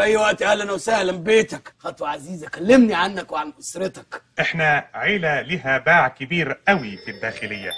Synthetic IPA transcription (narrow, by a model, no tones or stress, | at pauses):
ʔæjːwæʔt̪ʔæːlʔænæwsæhlæmbeːt̪ækxɑt̪ˤwʕaziːzækælːemniʕanːækweʕanʔosɾˤet̪ɑ̥kʔɪħnæʕeːlæliɦæbaːʕkɪbiːɾʔæwifid̪ːæːxɪlɪjːæ̰